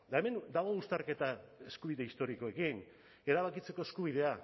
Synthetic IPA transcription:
d̪ae̞me̞nd̪aɣo̞ust̪aɾke̞t̪ae̞skuβiðe̞ist̪o̞ɾiko̞e̞kin | e̞ɾaβakit͡se̞ko̞e̞skuβiðe̞a

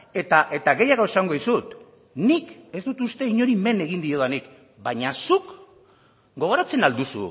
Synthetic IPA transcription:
e̞t̪aʔe̞t̪aɣe̞jaɣoe̞saŋɡo̞ðisut̪ | nike̞zd̪ut̪ust̪e̞iɲo̞ɾime̞ne̞ɣind̪io̞ðanik | baɲasuk | ɡo̞ɣ̞o̞ɾat͡se̞nald̪usṵ

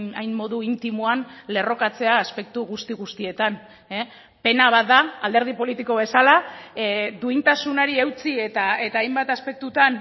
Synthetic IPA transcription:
ajnːo̞ðuint̪imuanle̞ro̞kat͡se̞aːspe̞k̚t̪uɣust̪iɣust̪ie̞t̪an | e | pe̞naβ̞at̪ðaːld̪eɾð̞ipo̞lit̪iko̞βe̞sala | d̪uint̪asunaɾiewt͡sie̞t̪ae̞t̪aːjmbat̪aspe̞k̚t̪ut̪an

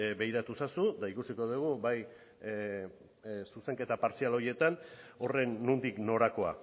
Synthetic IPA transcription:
be̞jɾat̪usasud̪aikusiko̞ðuɣ̞ubaj | suse̞ŋke̞t̪apaɾsialo̞je̞t̪ano̞re̞nːund̪ikno̞ɾako̞a̰

